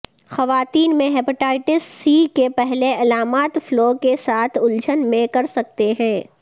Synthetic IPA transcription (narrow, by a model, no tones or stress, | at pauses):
xɐʋaːt̪iːnmẽɦɛːpɪʈaːɪʈɪsːiːkepɛɦleɐlaːmaːt̪floːkesaːt̪ʰʊld͡ʒənmẽkɐɾsɐk̚t̪eɦɛ̃ː